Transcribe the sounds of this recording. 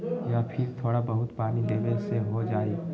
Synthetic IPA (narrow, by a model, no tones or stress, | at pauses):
jaːpʰɪɾt̪ʰoːɽabɐɦʊt̪paːnileːʋəlseɦod͡ʒaːe